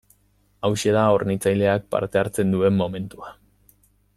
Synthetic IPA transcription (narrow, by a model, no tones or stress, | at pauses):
awʃe̞ðaornit͡sajle̞ak̚pa̰ɾt̪e̞aɾt͡se̞nd̪ue̞mːo̞me̞nt̪ua